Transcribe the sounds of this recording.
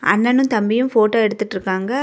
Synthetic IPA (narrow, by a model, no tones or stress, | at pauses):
ʔɐ̰nːɐnɯ̃mt̪ɐmbɪjɯmfoːʈːoːɛɽɯt̪ːɯʈːɪɾɯkːaːŋɡɐ